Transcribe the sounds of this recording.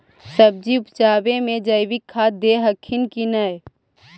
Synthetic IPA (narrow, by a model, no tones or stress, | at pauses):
səb̚d͡ʒiupt͡ʃaːbemẽd͡ʒəɪbikʰːad̪eɦəkʰːinkinəj